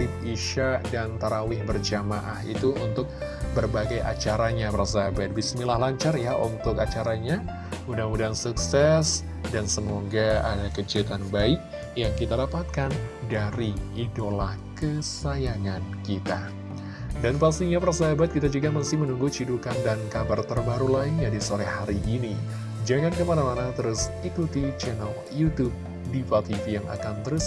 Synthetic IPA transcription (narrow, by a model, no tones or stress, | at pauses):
ɪt̪̚iʃaʔdant̪aɾawɪhbərd͡ʒamaʔahḭt̪uunt̪ʊk̚bərbaɡajʔa̰t͡ʃaɾaɲapəɾs̬aɦabat̪̚bismilahlaɲt͡ʃarjaṵnt̪ʊkat͡ʃaɾaɲa | undaŋudansuksɛs | dansəmoɡaa̰dakəd͡ʒit̪anbaɪk̚ | jaŋkit̪adapat̪̚kandaɾiidolahkəsajaŋankit̪a | danpast̪iɲapərsaɦabat̪̚kit̪ad͡ʒuɡaməst̪ɪhmənuŋɡut͡ʃidukandankabart̪ərbaɾulainɲadisoɾɛhaɾiʔːni | d͡ʒaŋankəmanamanat̪əɾusikut̪it͡ʃɛnəl | jut̪ub̚ | dipat̪ifijaŋʔa̰kant̪əɾus